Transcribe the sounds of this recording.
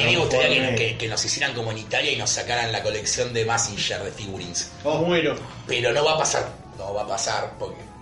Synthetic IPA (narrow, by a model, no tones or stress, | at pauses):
imeɣuht̪aɾiakekekeno̞sisjeɾaŋko̞moenit̪aɾjaino̞sːakaɾanlako̞leksjo̞nd̪emasinʃeɾðefiɣuɾins | oβweno | peɾo̞no̞βapasa̰ɾ | noβapasaɾpoɾke